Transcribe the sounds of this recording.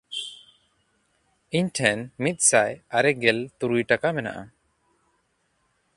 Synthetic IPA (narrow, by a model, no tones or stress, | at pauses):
iɲʈʰɛnmit̪̚ˀsajaɾɛɡɛlt̪uɾujʈakamɛna̰ʔa̰